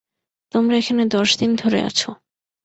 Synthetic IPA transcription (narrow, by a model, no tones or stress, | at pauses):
t̪omɾaekʰaned̪ɔʃd̪ind̪ʱoɾḛa̰t͡ɕʰo